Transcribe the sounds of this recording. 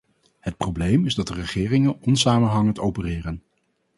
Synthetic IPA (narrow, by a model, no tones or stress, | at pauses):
hət̚prowblejmɪzdɑtdərəχɪːrɪŋənɔnsaːmənɦɑŋəntowpərɪːrən